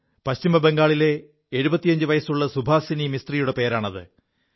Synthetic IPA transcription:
pɐɕt͡ɕimɐbe̞ŋɡaːɭile̞ː | ɻubɐt̪ːijɐɲd͡ʑɨʋɐjɐsuɭːɐsubʱaːsinimist̪rijuɽepe̞ːɾaːɳɐðɨ̰

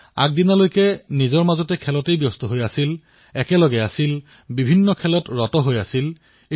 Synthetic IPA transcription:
a̰k̚dinalojkɛnizɔɹmazɔtɛkʰɛlɔtejbjɔstɔɦojasil | ɛkɛlɔɡɛasil | bibʱinːɔkʰɛlɔtɹɔtɔɦojasil

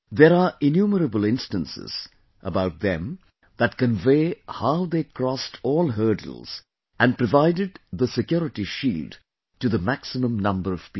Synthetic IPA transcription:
ðeɾaɹɪnjuməɾəbəl̩ɪ̃nstə̃nsɪ̰z̥ | ʔəbaʊt̪̚ðɛ̰̃m | ðət̚kə̃nveɪhaʊðeːkʰɹɔstʰɔːlˠɦɜ˞d̰l̩ˠz̥ | ʔæ̃npɹɔvaɪdɨd̪̚ðəsɨkjɔɾɨʈiʃiːld | tɨðəmæksɪmə̃mnʌ̃mbəɹʌv̥pi

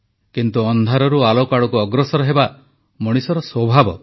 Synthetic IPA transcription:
kint̪uɔnd̪ʱaɾɔɾualokaɽɔkuɔɡɾɔsɔɾɔɦeba | mɔɽ̃isɔɾɔsɔbʱabɔ̰

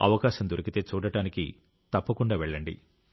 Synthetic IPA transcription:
ɐ̰ʋɐkaːʃɐmd̪uɾɐkit̪e̞ːt͡ʃuːɽɐʈaːniki | t̪ɐpːɐkuɳɖaːʋeɭːɐɳɖḭ

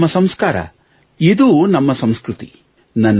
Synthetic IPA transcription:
ɐsɐmskaːɾɐ̰ | id̪uːnɐmːɐsɐmskɾut̪ḭ | nɐnː

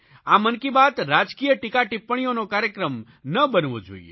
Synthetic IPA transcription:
amənkibat̪ɾad͡ʒkijəʈikaʈɪpːəɽ̃ijonokaɾjəkɾəm | nəbənʋo̰d͡ʒo̰ḭḛ

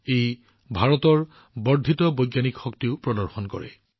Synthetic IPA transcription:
ej | bʱaɹɔtɔɹ | bɔɹd̪ʱitɔbɔjɡjanikxɔktiʊpɹɔdɔɹxɔnkɔ̰ɹɛ̰

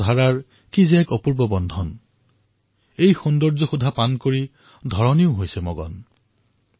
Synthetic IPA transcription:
dʱaɹaɹ | kizɛkɔpuɹbɔbɔndʱɔn | ejxɔndɔɹzɔxudʱapankoɹi | d̪ʱɔɹɔniʊɦojsɛmɔɡɔ̰n

